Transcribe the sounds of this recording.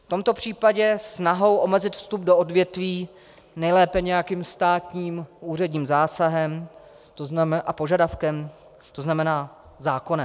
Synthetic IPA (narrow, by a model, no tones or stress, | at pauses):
ft̪o̞mt̪o̞pr̝̥iːpaɟɛsnaɦo̞wʔo̞mɛzɪt̪fst̪ubdo̞ʔodvjɛt̪viː | nɛjlɛːpɛɲɛjakiːmst̪aːt̪ɲiːmʔuːr̝ɛdɲiːmzaːsaɦɛm | t̪oznamɛʔapo̞ʒadafkɛm | t̪oznamɛnaː | zaːko̞nɛm